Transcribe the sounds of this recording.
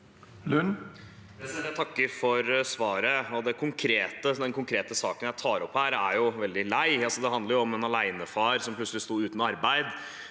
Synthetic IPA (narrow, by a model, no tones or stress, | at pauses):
lʉn | æsɛæt̪ʰɑkːəɾfɔɾsʋɑːɾəɔd̪ɛkʰʊŋkʰɾeːt̪əd̪ɛnkʊŋkʰɾeːt̪əsɑːkənjæɪt̪ʰɑːɾɔpːhæːɾæɾjʊʋɛld̪ɪlæɪɑlsɔd̪ɛɦɑnd̪əɾjʊɔmɛnɑlæɪnəfɑːɾsɔmpʰlʉtsəlɪst̪uːʉːt̪nɔɑɾbæɪd̪